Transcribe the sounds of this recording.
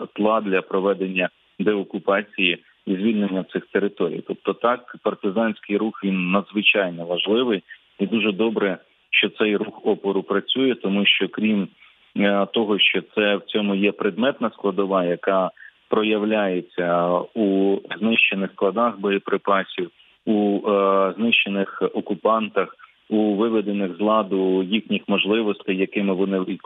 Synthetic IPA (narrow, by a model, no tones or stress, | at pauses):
t̪lˠɑd̪lʲɐpɾɔʋɛd̪e̞nʲːɐ | d̪ɛɔkʊpɑt͡sʲiji | izʲʋʲilʲnenʲːɐwt̪sɪxt̪eɾɪt̪ɔɾʲḭjt̪ɔp̚t̪ɔt̪ɑkpɐrt̪ɪzɑnʲsʲkɪjɾuxʋʲinːɐd̪zʋɪt͡ʃɑjnɔʋɐʒlˠɪʋɪj | id̪uʒɛd̪ɔbɾɛ | ʃt͡ʃɔt̪sɛjruxɔpɔɾʊpɾɐt͡sʲujɛt̪ɔmuʃt͡ʃɔkɾʲim | t̪ɔɦɔʃt͡ʃɔt̪sɛwt͡sʲɔmʊjɛpɾed̪mɛt̪nɐsklˠɐd̪ɔʋɑjɐkɑpɾɔjɐwlʲajet͡sʲːɐuznɪʃt͡ʃenɪxsklˠɐd̪ɑxbɔjɛpɾɪpɑsʲiw | u | znɪʃt͡ʃenɪxɔkʊpɑnt̪ɐx | uʋɪʋed̪enɪɣzlˠɑd̪ʊjixnʲixmɔʒlˠɪʋɔst̪ɪjːɐkɪmɪʋɔnɪ